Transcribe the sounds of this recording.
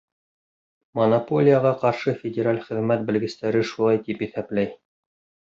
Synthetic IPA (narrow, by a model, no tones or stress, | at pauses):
monɐpo̞lʲijəʁɑqɑɾʃɤfʲɪdʲeɾalʲχɘ̆ðmæt̪̚bɘ̆lɡɘ̆st̪æɾɘʃulˠɑjt̪ipiθæplæj